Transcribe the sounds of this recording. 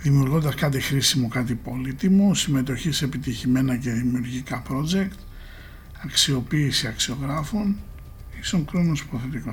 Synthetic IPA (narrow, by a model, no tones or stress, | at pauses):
ðimiuɾɣo̞nd̪ɐskɐt̪̬ixɾisimukɐt̪ipo̞lit̪imusime̞t̪̬o̞çise̞pit̪içime̞nɐce̞ðimiuɾʝikɐpɾo̞d͡ze̞kt̪ | ɐksio̞piːsiɐksio̞ɣɾɐfon | ist̪o̞ŋkɾonosu̥po̞θe̞t̪iko